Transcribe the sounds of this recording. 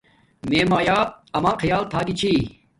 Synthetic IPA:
meːmaːjaːɐmaːqʰɐjaːlt̪ʰaːɡit͡ɕʰiː

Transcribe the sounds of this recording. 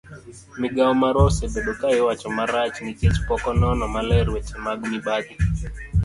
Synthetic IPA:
mɪɡaɔmaɾɔsebeɗokaɪwat͡ʃɔmaɾat͡ʃnɪt͡ʃɛt͡ʃpɔkɔnɔnɔmalɛɾwɛt͡ʃɛmaɡniɓaɡi

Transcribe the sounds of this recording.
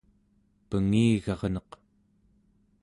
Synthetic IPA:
pəŋiːɣɑʁnʌq

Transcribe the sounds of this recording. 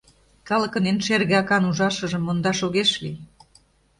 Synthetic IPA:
kɑlə̆kɤ̆nenʃerɣeɑkɑnuʒɑʃə̆ʒə̆mːond̪ɑʃoɣeʃlḭ

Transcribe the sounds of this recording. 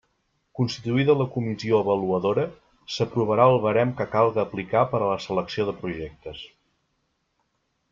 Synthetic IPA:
kunst̪it̪uiðələkumizioəβəluəðoɾə | səpɾuβ̞əɾaəlˠβəɾɛmkəkalˠɣəːplikapəɾələsələksioðəpɾuʒɛk̚t̪əs

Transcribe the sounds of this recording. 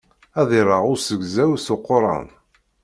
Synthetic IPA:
æðɪɾˤɑʁʊɾsəɡzæwsʊqːoɾˤɑ̰n

